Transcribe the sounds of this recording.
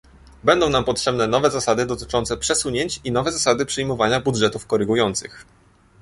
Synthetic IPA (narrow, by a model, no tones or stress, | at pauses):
bɛnd̪ɔ̃w̃nampɔtʂɛbnɛnɔvɛzasad̪ɘd̪ɔt̪ɘ̥t͡ʂɔnt̪sɛpʂɛsuɲeɲt͡ɕinɔvɛzasad̪ɘpʂɘjmɔvaɲabudʐɛt̪ufkɔɾɘɡujɔnt̪sɘ̰x